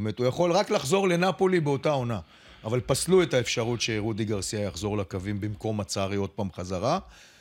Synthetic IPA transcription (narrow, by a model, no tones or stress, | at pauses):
met̪ujaχo̞lʁaklaχzo̞ʁle̞napo̞libeo̞tao̞na | avalpaslue̞taefʃaʁutʃe̞ʁud̪iɡaʁsiajaχzo̞ʁlakavimbimko̞mat͡saʁio̞d̪̚paːmχazaʁa